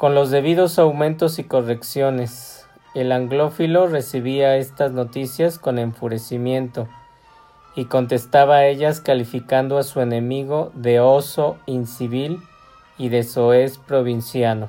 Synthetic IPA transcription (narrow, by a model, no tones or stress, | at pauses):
ko̞nlo̞zðe̞βiðo̞sawmẽ̞nt̪osiko̞re̞ksjo̞ne̞s | e̞laŋɡlo̞filo̞re̞siβiae̞st̪azno̞t̪isjasko̞ne̞ɱfuɾe̞simje̞nt̪o̞ | iko̞nt̪e̞st̪aβae̞ʝaskalifikand̪oasue̞nẽ̞miɣo̞ðe̞o̞so̞insiβil | iðe̞soe̞spɾo̞βinsjano̞